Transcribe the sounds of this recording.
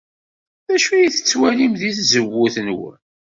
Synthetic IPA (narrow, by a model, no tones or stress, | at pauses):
ðæʃujiθə̥t͡sːwælimðiθzəwːʊθənwə̰